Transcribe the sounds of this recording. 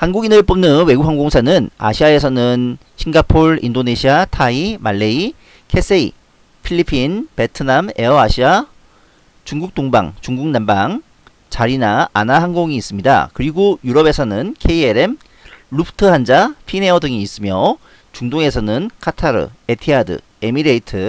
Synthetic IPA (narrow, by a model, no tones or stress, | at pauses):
hanɡuɡinɯɭp͈omnɯnwe̞ɡukhɦaŋɡoŋsʰanɯna̰ɕʰiae̞sʰʌnɯn | ɕʰiŋɡapʰoɾḭndone̞ɕʰiatʰaimaɭːei | kʰe̞s͈ʰeḭ | pʰiʎːipʰinpetʰɯname̞ʌaɕʰia | t͡ɕuŋɡuk̚t͈oŋba̰ŋt͡ɕuŋɡuŋ̚nambaŋ | t͡ɕaɾinaːnahaŋɡoŋiːs͈ɯmɲida̰kɯɾiɡojuɾʌbe̞sʰʌnɯnkʰe̞ieɾe̞m | ɭupʰtʰɯɦand͡ʑapʰine̞ʌdɯŋiːs͈ɯmjʌ | t͡ɕuŋdoŋe̞sʰʌnɯnkʰatʰaɾɯ̰e̞tʰiadɯ̰ | emiɾeitʰɯ